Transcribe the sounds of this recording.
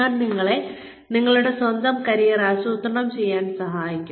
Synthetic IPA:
aːnniŋːɐɭe̞ | niŋːɐɭuɽe̞swɐnd̪ɐmkɐɾijɐɾaːsuːt̪rɐɳɐmt͡ɕe̞jːaːnsɐɦaːjikʲːum

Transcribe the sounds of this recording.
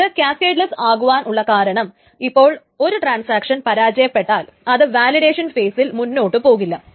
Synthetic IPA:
ðɨkʲaːskeːʈlɐsaːɣuʋaːnʔuɭːɐkaːɾɐɳɐm | ipːo̞ːɭ | o̞ɾuʈraːnsaːkʂɐnpɐɾaːd͡ʑɐjɐpːe̞ʈːaːlɐðɨʋaːliɾe̞ːʂɐnfe̞ːsilmunːo̞ːʈːɨpo̞ːɣilːɐ

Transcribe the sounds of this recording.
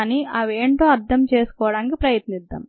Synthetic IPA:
niʔɐʋeːɳʈoːɐɾt̪ʰɐmt͡ʃe̞ːsu̥kɔːʋɐɽaːnkipɾɐjɐt̪nid̪ːɐ̰m

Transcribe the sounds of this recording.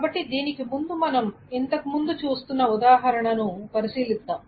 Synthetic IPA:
abɐʈːid̪iːnikemund̪umɐnɐm | ent̪ɐkːumund̪ut͡ʃuːst̪unːɐud̪aːɦɐɾɐɳɐnupɐɾisiːlit̪ːaːm

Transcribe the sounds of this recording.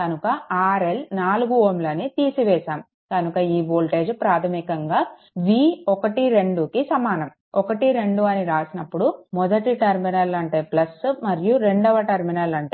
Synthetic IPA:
kɐnukɐaːɾe̞lnaːluɡuoːmloːneːt̪iːsiʋɛːʃaːm | kɐnukɐiːboːlʈe̞ːd͡ʒpɾaːt̪ʰɐmikɐŋɡaː | ʋiːɔkɐʈiɾe̞ɳɖukisɐmaːnɐm | ɔkɐʈiɾe̞ɳɖuɐniɾaːsinɐpːuɽumɔd̪ɐʈiʈɐɾminɐlɐɳʈe̞ːplɐsmɐɾijuɾe̞ɳɖɔʋɐʈɐɾminɐlɐɳʈeː

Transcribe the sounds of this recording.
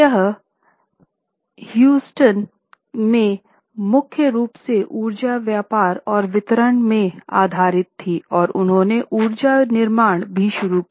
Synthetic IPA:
jəɦ | hjuːsʈən | mẽ | mʊkʰjəɾuːpseʔuːɾd͡ʒaʋjaːpaːɾɔːɾʋɪt̪ɾəɳmẽa̰ːd̪ʱaːɾɪt̪ʰːiɔːɾʊnɦõːneʔuːɾd͡ʒanɪɾmaːɽ̃bʱiʃʊɾuk

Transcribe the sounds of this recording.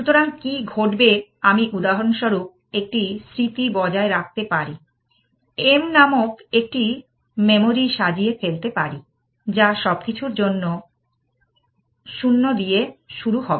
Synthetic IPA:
ʃut̪oɾaŋkiɡʱoʈbeamiʔud̪aɦonʃoɾup̚ek̚ʈisɾit̪ibɔd͡ʑaeɾak̚t̪epaɾi | emnamokek̚ʈi | memoɾiʃad͡ʑiefelt̪epaɾi | d͡ʑaʃɔb̚kit͡ɕʰuɾd͡ʑonːo | ʃunːod̪ieʃuɾuɦɔbe

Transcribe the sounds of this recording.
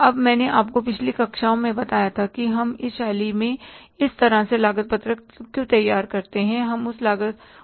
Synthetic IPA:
ɐbmɛ̃ːneʔaːpkopɪt͡ʃʰlikɐkʃaːõmẽbɐt̪aːjat̪ʰakiɦɐmɪsʃaːlimẽɪst̪ɐɾaselaːɡət̪̚pət̪ɾə | kjũt̪ɐjːaːɾkɐɾt̪eɦɛ̃ɦɐmʊslaːɡət̪̚

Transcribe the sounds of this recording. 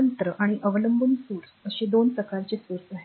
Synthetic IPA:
ənt̪ɾəʔaɽ̃iʔəʋələmbumsuɾsəɕid̪onpɾəkaɾt͡ɕiːsuɾsaɦe

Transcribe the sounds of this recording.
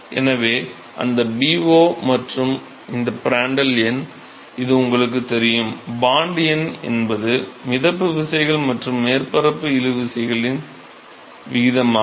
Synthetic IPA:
ʔɛ̰nɐʋeː | ʔɐ̰nd̪ɐbiːʋoːmɐʈrɯm | ɪnd̪ɐpɪɾaːɳɖɐljɛn | ɪðɯʊŋɡɐɭɯk̬ːɯt̪ːɛɾɪjɯmbaːɳɖɪjɐnɛ̰nbɐðɯmɪðɐpːɯʋɪsɐjɣɐɭmɐʈrɯmːeːɾpɐɾɐpːɯɪlɯʋɪsɐjɣɐɭɪn | ʋɪɣɪðɐmaː

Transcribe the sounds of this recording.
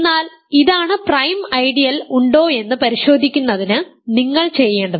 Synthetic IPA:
enːaːl | iðaːɳɨprɐjmɐjɖijɐluɳɖo̞ːe̞nːɨpɐɾiɕo̞ːd̪ʱikʲːunːɐðinɨniŋːɐɭt͡ɕe̞jːe̞ːɳɖɐðɨ

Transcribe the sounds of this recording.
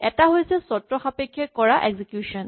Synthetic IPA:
ɛtaɦojsɛsɔtɹɔxapekʰːjɛkɔɹaʔɛɡzikjusɔn

